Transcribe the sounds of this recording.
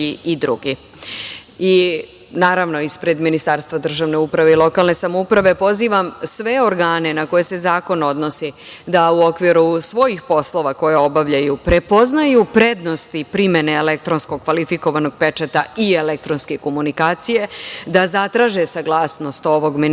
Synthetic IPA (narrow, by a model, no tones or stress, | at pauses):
iid̪ɾṵɡi | i | naːɾaʋno̞ispɾe̞d̪minist̪aɾst̪ʋad̪r̩ʒaːʋne̞upɾaʋe̞ilˠo̞kaːlˠne̞samoupɾaʋe̞po̞ziːʋamsʋe̞o̞ɾɡaːne̞nako̞je̞se̞zaːko̞no̞d̪no̞si | d̪auo̞kʋiɾusʋo̞jixpo̞slˠo̞ʋako̞jeo̞baʋʎajupɾe̞po̞znajupɾe̞d̪no̞st̪ipɾimeneːlek̚t̪ɾo̞nsko̞ɡkʋalifiko̞ʋano̞ɡ̚pe̞t͡ʃat̪aielek̚t̪ɾonskeko̞munikaːt̪sije̞d̪azat̪ɾaːʒesaɡlˠaːsno̞st̪o̞ʋo̞ɡmi